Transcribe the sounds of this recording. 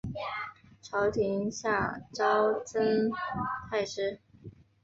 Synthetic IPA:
ʈ͡ʂʰɑ˧˥ʊt̪ʰi˧˥ŋɕja˥˩ʈ͡ʂɑ˥ʊt͡sə˥nt̪ʰa˥˩ɪʂɻ̩˥

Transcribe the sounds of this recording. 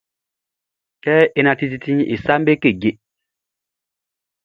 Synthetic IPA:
kɛ˦e˦˨na˧ti˦ti˦ti˦ɲʔḭ˨sa˦m˦be˦ke˦˨ɡe˨

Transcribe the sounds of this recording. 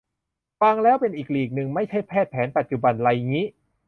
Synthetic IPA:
fa˧ŋlɛː˦˥wpe˧nʔiː˨˩k̚liː˨˩k̚nɯ˨˧ŋma˥˩jt͡ɕʰa˥˩jpʰɛː˥˩t̪̚pʰɛː˩˦npa˨t̪̚t͡ɕu˨˩ba˧nla˧jŋiː˦˥ʔ

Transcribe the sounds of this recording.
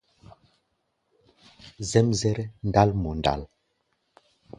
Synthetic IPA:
zɛ˦mzɛ˦ɾɛ˦n˦da˦lmɔ˨n˨da̰˦˨l

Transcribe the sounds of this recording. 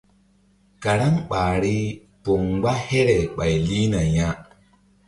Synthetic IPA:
ka˨ɾa˦ŋɓaː˨ɾi˦ | po˨ŋɡ͡ba˦he˦ɾɛ˨ɓa˨jli˦na˨ja˦

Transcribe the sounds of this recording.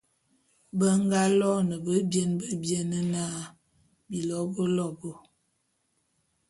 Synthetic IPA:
bə˦ŋ˦ɡa˦lɔ˦nə˨bə˦bje˦nbə˦bje˦nə˦na˦ | bi˨lɔ˨˦bə˦lɔ˦˨bo˨

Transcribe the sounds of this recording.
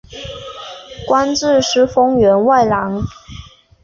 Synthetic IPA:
kwa˥nʈ͡ʂɻ̩˥˧ʂɻ̩˥˩fɤ˥ŋɥɛ˧˥nwa˥˩ɪlɑ˧˥ŋ

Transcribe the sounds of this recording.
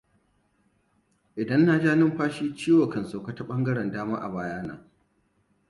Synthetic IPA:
ʔɪ˨dɐ˦nːaː˨d͡ʒaː˦nɪ˦mɸaː˦ʃiː˦t͡ʃiː˦wɐ˨kɐ˨nso˨ka˦ta˦ɓɐ˦ŋɡɐ˦ɽɛ˨ndaː˦maː˦ʔa̰˨baː˦jaː˦na̰ː˦

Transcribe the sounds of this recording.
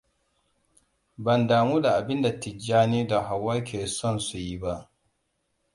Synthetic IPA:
bɐ˨ndaː˨muː˦da˨ʔa˨bɪ˦nda˨tɪ˨d͡ʒaː˦niː˦da˨ɦa˨wːaː˦kʰʲeː˨sɔ˦˨nsu˨ji˦ba˦ʔ

